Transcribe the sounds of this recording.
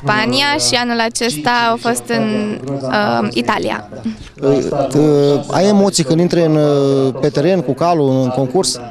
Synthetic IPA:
spaniaʃianulat͡ʃe̞st̪aːwfo̞st̪ɨnəit̪alḭa̰ | a̰je̞mo̞t̪sijkɨnd̪int̪ɾeɨnpe̞t̪e̞ɾe̞nkukaluɨnɨŋko̞ŋkurs

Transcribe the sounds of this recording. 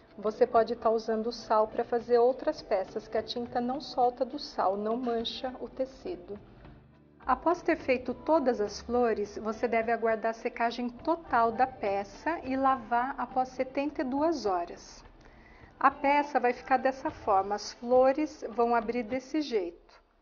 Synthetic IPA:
vosepɔd͡ʒɪt̪aɾuzɐ̃nd̪ʊːsawpɾɐfazeɾowt̪ɾɐspɛsɐskɪɐt͡ʃĩnt̪ɐnɐ̃w̃sɔwt̪ɐd̪ʊsa̰wnɐ̃w̃mɐ̃ʃɐʊt̪esid̪ʊ | apɔst̪eɾfejt̪ʊt̪od̪ɐzɐsfloɾɪsvosed̪ɛvɪaɡwaɾd̪aɾɐsekaʒẽj̃t̪ot̪awd̪ɐpɛsɐʔɪlavaɾapɔsːet̪ẽnt̪ɐɪd̪uɐzɔɾɐs | ɐpɛsɐvajfi̥kaɾd̪ɛsɐfɔɾmɐɐsfloɾɪsvɐ̃w̃abɾiɾd̪esɪʒejt̪ʊ̥

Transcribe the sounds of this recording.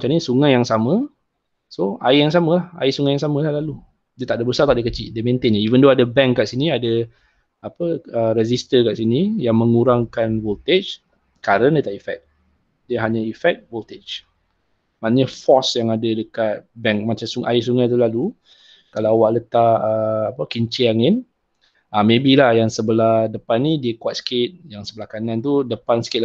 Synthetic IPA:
mt͡ʃamnisuŋajaŋsamə̃ | soa̰ijaŋs̬amə̃laha̰isuŋajaŋs̬amə̃lahlalu | diət̪aʔdəbəsat̪aʔdəkət͡ʃiʔdəmẽnt̪enivəndoadəbɛŋkːaʔsiniadə | apəəɾɛzist̪əkaʔsinijaŋmə̃ŋuɾaŋkanvolt̪et͡ʃ | kaɾəndiət̪aʔifɛ̰k̚ | diəɦaɲaifɛk̚volt̪et͡ʃ | manɲafɔsjaŋadədəkat̪̚bɛŋk̚mat͡ʃamsuŋʔais̬uŋajt̪̬ulalu | kalawwaʔlət̪aəapəkiɲt͡ʃiaŋɪn | amẽbilahjaŋsəbəlahdəpanːidiəkuat̪sə̥kɪt̪̚jaŋsəbəlahkanant̪̬udəpansə̥kɪt̪

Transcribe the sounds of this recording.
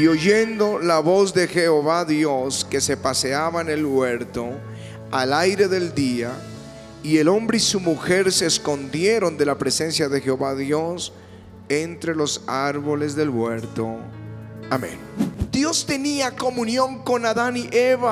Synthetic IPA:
io̞ʝend̪o̞laβo̞zðe̞xeoβaðjo̞ske̞se̞pase̞aβaenelβweɾt̪o̞ | alajɾe̞ðeld̪ia | ie̞lo̞mbɾeisumuxe̞ɾseːsko̞nd̪je̞ɾo̞nd̪e̞lapɾese̞nsjaðexeoβaðjo̞s | ent̪ɾe̞lo̞saɾβo̞le̞zðe̞lβweɾt̪o | amḛ̃nd̪̥jo̞st̪eniako̞mũnjoŋko̞naðaniʔeβa

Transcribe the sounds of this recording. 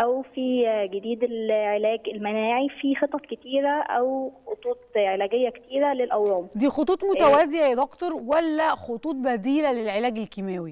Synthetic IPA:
ʔæwfiɡed̪iːd̪elʕelæːɡelmænæːʕifixet̪ˤːɑt̪ket̪iːɾæʔæwxot̪ˤuːt̪̚ˤʕelæːɡejːæke̥t̪iːɾælelʔæwɾuːmd̪iːxot̪ˤuːt̪ˤmot̪æwæziʔæed̪ɑkt̪oɾˤwælːæxot̪ˤuːt̪̚ˤbæd̪iːlælelʕelæːɡelkimæːwi

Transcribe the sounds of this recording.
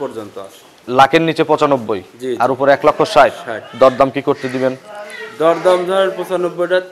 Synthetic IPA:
pɔɾd͡ʑont̪oa̰ | lakennit͡ɕepɔt͡ɕanobːojd͡ʑiaɾupoɾɛklɔkʰːoʃajɾad̪ɔɾd̪amkikoɾt̪ed̪ibend̪ɔɾd̪amd̪ʱɔɾeɾpɔt͡ɕanobːojʈa

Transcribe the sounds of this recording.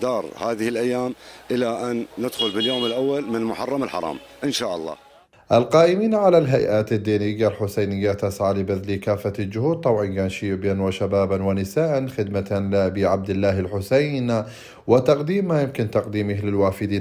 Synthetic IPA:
d̪ɑːɾˤhaːðɪhɪlʔajːaːmʔɪlaʔanːɪd̪xʊlbɪljoːmɪlʔawːalmɪnlmʊħɑrˤːɑmɪlħɑ̰ɾˤɑ̰ːmʔɪnʃaːʔɑ̰lˤːɑ̰ː | ʔalqɑːʔɪmiːnʕalalɦajʔaːt̪ad̪ːiːnɪjːalħʊsajnɪjːat̪asʕalɪbaðlikaːfːald͡ʒʊhuːd̪̚t̪ˤɑbʕɑnɡaːnʃiːʔbanwaʃabaːbanwɪnɪsaːʔanxɪd̪malɪbiʕab̚d̪ɪlːaːhɪlħʊsajn | wɪt̪ɑqd̪iːmːajɪmkɪnt̪ɑqd̪iːmɪhlɪlwaːfɪd̪iː

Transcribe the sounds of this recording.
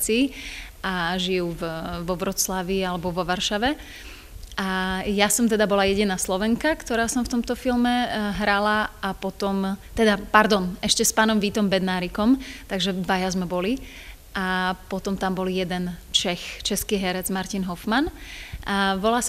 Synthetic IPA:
t͡siːʔaʒijuːvʋɔʋɾɔt͡slaʋialɛbɔʋɔʋaɾʃaʋɛ | ʔajasɔmt̪ɛd̪abɔlajɛɟinaːslɔʋɛŋkakt̪ɔɾaːsɔmft̪ɔmt̪ɔfilmɛɦɾalaapɔt̪ɔmt̪ɛd̪apaɾd̪ɔnɛʃcɛspaːnɔmʋit̪ɔmbɛd̪naːɾikɔmt̪aɡʒɛd̪ʋajazmɛbɔli | ʔapɔt̪ɔmt̪ambɔlijɛd̪ɛnt͡ʃɛxt͡ʃɛskiːɦɛɾɛd͡zmaɾcinɦɔfmanaʋɔlaːs

